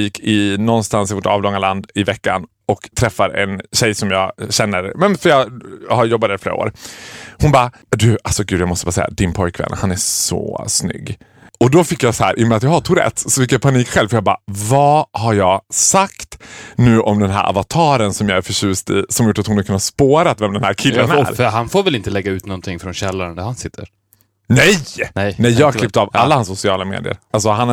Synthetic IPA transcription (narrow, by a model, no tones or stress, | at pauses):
iːkʰːɪnɔnst̪ansɪvoːʈɑ̰ːvlɔŋːaland̪ɪvɛkːan | ɔkt̪ʰɾɛfːaɾɛ̰nɕɛjsɔmjɑːɕɛnːəɾmɛnfœɾjɑhaɾjɔbːad̪ɛɾɪflḛːɾao̰ːɾhʊnbɑː | d̪ʉ̟asɔɡʉ̟d̪jaːmɔst̪əbɑːsɛ̰jːa̰d̪ɪnpʰɔjkvɛ̰nːhanæsɔ̰snʏ̰ɡː | ɔd̪ɔfɪkːjasɔhæ̰ːɾʔɪmːəat̪jɑhat̪ʰʊɾɛ̰t̪ːsɔfɪkːjapʰaniːkɧɛlvfœjɑbɑ̰ːvɑhaɾjɑːɡsakt̪nʉ̟ːʔɔmd̪ɛnɦæ̰ɾʔa̰vat̪ʰɑːɾənsɔmjɑæɾfœɕʉ̟ːst̪ḭsɔmhajʊʈːat̪hʊnakʰɵnːaspoːɾat̪vɛmd̪ɛnhæːɾkʰɪlːənɾfœɾɦanfoːɾvɛlɪnt̪əlɛɡːaʉ̟ːt̪nɔnt̪ʰɪŋːfɾɔnɕɛlːaɾənd̪æɾhansɪt̪ʰːəɾ | nɛjnɛjnɛjːɑːɡaklɪp̚t̪ɑvalːahansːʊsɪɑːlamḛːd̪ɪə̰ɾals̬ɔɦan